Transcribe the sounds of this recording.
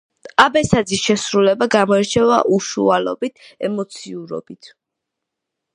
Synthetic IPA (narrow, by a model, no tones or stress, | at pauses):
abɛsad̪zisʃɛsɾulɛbaɡamɔɛɾt͡ʃʰɛva̰ʔuʃṵalɔ̰bit̪ʰɛmɔt̪sʰiuɾɔ̰b̥it̪ʰ